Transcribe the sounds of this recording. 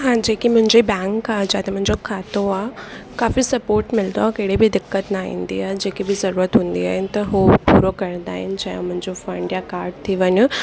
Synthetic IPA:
ɦãd͡ʑeːkimʊ̃ɦɪ̃ɲd͡ʑibɛ̃ːŋkaːɦd͡ʑaːt̪emʊ̃ɦɪ̃ɲd͡ʑokʰaːt̪oaːɦkaːfisɐpoːɾʈmɪld̪oakeːɽibɪd̪ɪkːət̪naɦḭ̃ːnd̪iaːɦed͡ʑeːkibɪzɐɾuːɾət̪ɦũːn̆d̪ia̰ːɦɪnɪt̪ɐɦopuːɾokɐɾə̃nd̪aːɦɪnɪ̆d͡ʑaːjõmʊ̃ɦɪ̃ɲd͡ʑofɐ̃ɳɖjakaːɾɖ̚t̪ʰiʋɐɲo

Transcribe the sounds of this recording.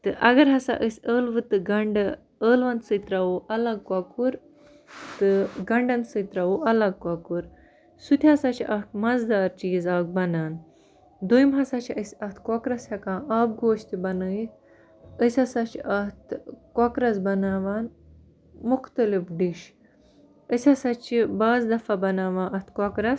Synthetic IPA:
t̪ɨʔɐɡɐɾɦɐsa̰ʔəsʲəːlʋɨt̪ɨɡɐɳɖɨ | əːlʋɐnt̪sɨt̪ɾawuːʔɐlɐɡ̚kaːkuɾ | t̪ɨɡɐɳɖɐnsɨt̪ɾawuʔɐlɐɡ̚kɐkuɾ | sut̪ʲʰiɦɐsat͡ʃʰiʔɐʈʰmɐzd̪aːɾt͡ʃizaːk̚bɐnaːn | d̪uimɦɐsɐt͡ʃʰiɐsɐht̪kokɾɐshɐkãːaːb̚ɡoːʃt̪ibɐnəit̪ | əsʲɐsɐt͡ʃʰiɐht̪kokɾɐs̬bɐnaːʋaːn | muxt̪ɐlifɖiʃ | əsʲɐsɐt͡ʃʰibaːzd̪ɐfɐbɐnaːʋaːʔɐt̪kokɾɐs

